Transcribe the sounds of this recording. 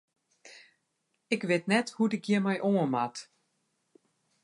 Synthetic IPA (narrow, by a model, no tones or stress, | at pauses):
ɪkʋɪtnɛthudɪkjimɛjʔoəmat